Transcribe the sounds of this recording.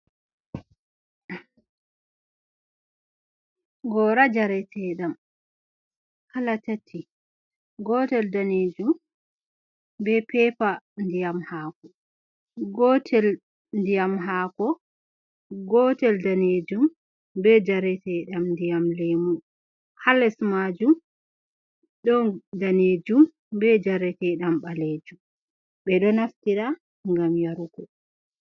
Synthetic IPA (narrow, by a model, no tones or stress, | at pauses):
ɡɔɾad͡ʒaɾɛtʰɛɗam | kalatatʰːi | ɡɔtɛldaneːd͡ʒum | bɛpɛpandijamhaːkɔ | ɡɔtʰɛl | ndijamɦakɔ | ɡɔtɛldaned͡ʒum | bɛd͡ʒaɾɛtɛɗamndijamlemu | halɛsmad͡ʒum | ɗɔdaned͡ʒum | bɛd͡ʒaɾɛtɛɗambaled͡ʒum | ɓɛɗɔnaftiɾa | ŋɡamjaɾuɡɔ